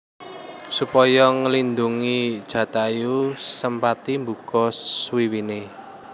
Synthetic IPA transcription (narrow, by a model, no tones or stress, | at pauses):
supɔjɔŋəlind̪uŋid̥ʒ̥ä̤t̪ajusəmpat̪imbṳkɔswiwine